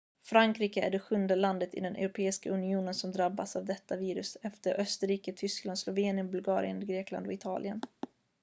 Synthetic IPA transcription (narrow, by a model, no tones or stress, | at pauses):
fɾaŋkɾiːkəæ̰ɖɛɧɵnd̪əland̪ət̪ɪ̰d̪ɛnʔɛ̰wɾʊpʰeːɪskaɵnɪuːnənsɔmd̪ɾabːasavd̪ɛt̪ːaviːɾɵsɛft̪əɾʔœst̪əɾiːkət̪ʰʏskland̪slɔveːnɪənbɵlɡɑ̰ːɾɪ̰ənɡɾeːkla̰nd̪ɔɪt̪ʰɑ̰ːlʔɪən